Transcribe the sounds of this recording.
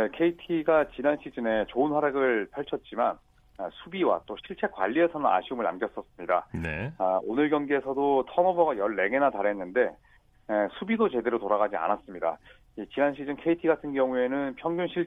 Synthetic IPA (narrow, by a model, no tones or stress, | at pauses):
nekʰe̞itʰiɡat͡ɕinanɕʰid͡ʑɯne̞t͡ɕoɯnsʰaɾaɡɯɭpʰaɭt͡ɕʰʌt̚t͡ɕ͈iman | asʰubiwa̰t͈oɕʰiɭt͡ɕʰe̞kwa̰ʎːie̞sʰʌnɯna̰ɕʰiumɯɭna̰mɡjʌs͈ʌs͈ɯmɲidaneaonɯɭɡjʌŋɡeesʰʌdotʰʌnʌbʌɡajʌɭːe̞ɡe̞nataɾɦe̞nːɯnde̞ | sʰubidot͡ɕe̞de̞ɾotoɾaɣad͡ʑia̰nas͈ɯmɲida̰ | it͡ɕinanɕʰid͡ʑɯnkʰe̞itʰiɡatʰɯnɡjʌŋue̞nɯnpʰjʌŋɡjunɕʰiɭ